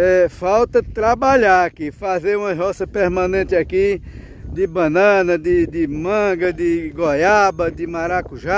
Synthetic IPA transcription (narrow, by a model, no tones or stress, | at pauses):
ɛfawt̪ɐt̪ɾabaʎaakifazeɾũmɐɦɔsɐpeɾmɐ̃nẽnt̪ɪaki | d̪ɪbɐ̃nɐ̃nɐd̪ɪd̪ɪmɐ̃ɡɐd̪ɪɡɔjabɐd̪ɪmaɾakuʒa